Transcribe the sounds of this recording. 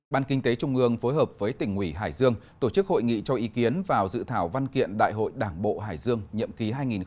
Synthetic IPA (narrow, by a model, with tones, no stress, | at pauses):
ɓaː˧nkï˧ŋ̟t̪e˨˦t͡ɕʊ˧ŋ͡mʔɨ˧əŋfo˨˦jɦəː˨˩p̚vəː˨˦jt̪ï˨˩ŋ̟hwi˧˩ɦaː˧˩jzɨ˧əŋt̪o˧˩t͡ɕɨ˦˥k̚ho̰˧˨jŋḭ˧˨t͡ɕɔ˧ʔi˨˦ki˨˦ənvaː˨˩wzɨ̰˧˨t̪ʰaː˧˩wva˧nkḭ˧˨ənɗa̰ː˧˨jɦo̰˧˨jɗaː˧˩ŋɓo̰˧˨ɦaː˧˩jzɨ˧əŋɲḭ˧˨əmki˨˦ɦaː˧jŋi˨˩n